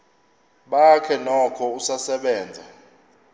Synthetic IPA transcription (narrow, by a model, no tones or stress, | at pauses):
ɓakʰɛnɔkʰɔusasɛɓɛːnd͡zʱa